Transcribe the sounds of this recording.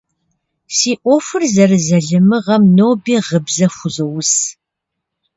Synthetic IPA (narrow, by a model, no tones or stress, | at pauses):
siːʔʷɔfɨrzɐrɨzɐɮɨmɨʁɐmnoːbiːʁəbzɐxʷʊzowʊs